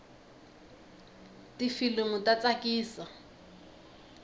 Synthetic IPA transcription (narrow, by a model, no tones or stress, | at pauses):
tifileŋʊtat͡sakiːsa